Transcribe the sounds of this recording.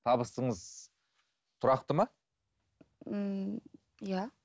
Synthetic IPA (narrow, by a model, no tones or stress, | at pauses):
t̪ʰɑbəst̪əɴəz | t̪ʰʊɾɑq̚t̪əmɑ | ja